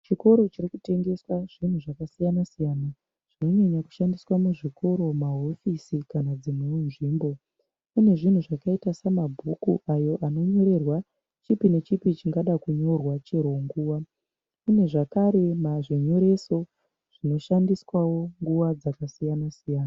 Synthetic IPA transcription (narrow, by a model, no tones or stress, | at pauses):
t͡ʃiko̞ɾo̞t͡ʃirikute̞ŋɡe̞swaʐin̤uʐakasijanasijana | ʐ̥ino̞ɲeɲaku̥ʃandiswamuʐiko̞ɾo̞maɦo̞fisikanad͡zimunʐiːmbo̞ | une̞ʐin̤uʐakaitasamabʱukuʔajo̞ʔano̞ɲo̞ɾe̞rwa | t͡ʃipine̞t͡ʃipit͡ʃiŋɡaɗakuɲo̞rwat͡ʃeɾoŋɡuːʋa | une̞ʐakaɾe̞maʐiɲo̞ɾe̞so̞ | ʐ̥ino̞ʃandiswawo̞ŋɡuʋad͡zakasijanasijaːna